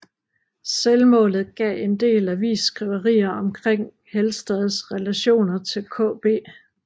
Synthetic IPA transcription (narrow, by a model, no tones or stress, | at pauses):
selmɔ̰̽ːlð̩ˠɡ̥ɛ̰ːe̝nd̥e̝̰ːlæʋḭːsːɡ̥ʁiʊɐʁḭːɐɒ̽mkʰʁeŋ̰ | helsd̥ɛðˠsʁɛlæɕo̝̰ːnɐt͡sʰe̝lkʰɔ̰̽ːb̥e̝̰ː